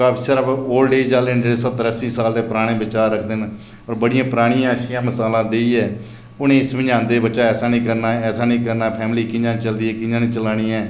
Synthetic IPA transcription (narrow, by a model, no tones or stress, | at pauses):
kaːpʰiːsaːɾaoːlɖeːid͡ʒaːlenɖeːesət̪əɾəsiːsaːld̪eːpɾaːɽ̃ẽːbɪt͡ʃaːɾɾəkʰd̪eːn | ɔːɾbəɽɪjãːpəɾaːɽ̃ijãːʃɪjãːməsaːlãːd̪eːiːɛː | ʊnẽːɪsʋɪɲd͡ʒãːnd̪eːbətːʃaːɛːsaːnĩːkəɾnaːɛːsaːnĩːkəɾnaːpʰɛːmliːkɪ̃d͡ʒãːnt͡ʃəld̪iːɛːkɪ̃d͡ʒãːnĩːt͡ʃəlaːɽ̃iːɛː